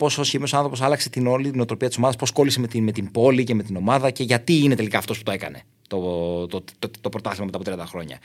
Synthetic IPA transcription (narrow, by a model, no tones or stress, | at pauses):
po̞sosçimio̞sɐnθɾo̞po̞sɐlɐkse̞t̪inolit̪inot̪ɾo̞piɐt̪iso̞mɐðɐspo̞sko̞lise̞met̪imet̪imbo̞liceme̞t̪ino̞mɐðɐce̞ʝɐt̪iine̞t̪e̞likɐːft̪osput̪o̞e̞kɐ̰ne̞ | t̪ot̪ot̪o̞pɾot̪ɐθlimɐmeɐpot̪ɾɐnd̪ɐxɾo̞ɲɐ̰